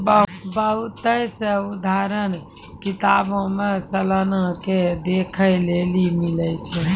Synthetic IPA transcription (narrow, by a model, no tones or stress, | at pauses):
bəbəɦut̪əjseud̪ʱaɾən | kit̪abõmesələnəked̪ekʰəjlelimilət͡ʃʰɛ